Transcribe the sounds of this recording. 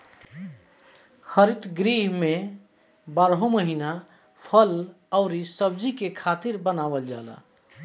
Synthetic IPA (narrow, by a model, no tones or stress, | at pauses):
xəɾit̪ɡɾiɦme | baɾɦoməɦina | pʰəl | əʊɾisəb̚d͡ʒikekʰat̪iɾbənabəld͡ʒala̰